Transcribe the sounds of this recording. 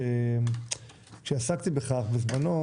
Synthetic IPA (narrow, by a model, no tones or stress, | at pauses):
e | kʃeasakt̪ibe̞χaχbezmano